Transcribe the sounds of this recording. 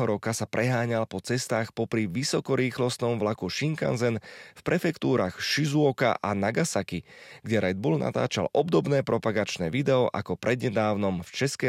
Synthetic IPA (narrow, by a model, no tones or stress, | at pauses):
ɦɔɾɔkasapɾʔɛɦaːɲalpɔt͡sɛst̪aːxpɔpɾiʋisɔkɔɾiːxlɔst̪nɔmʋlakuʃiŋka̰nzɛnfpɾɛfɛkt̪uːɾaːxʃizuɔka̰ʔanaɡasakiɡɟɛɾɛd̪̚buːlna̰t̪a̰ːt͡ʃa̰lʔɔbd̪ɔbnɛːpɾɔpaɡat͡ʃnɛːʋid̪ɛɔʔa̰kɔpɾɛd̪ɲɛd̪aːʊnɔmft͡ʃɛskɛ